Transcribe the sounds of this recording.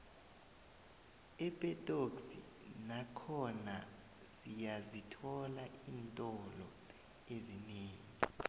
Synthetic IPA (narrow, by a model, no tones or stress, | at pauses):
ɛpʼɛtʼoksḭ | nakʰɔna | sijazitʰɔlaiːntʼɔlɔ | ezineːŋii